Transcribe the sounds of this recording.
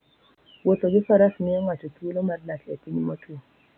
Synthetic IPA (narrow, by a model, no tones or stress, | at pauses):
wot̪oɡɪfaɾasnɪaŋat͡ʃotwolomarlatɛ̰piɲmɔtwo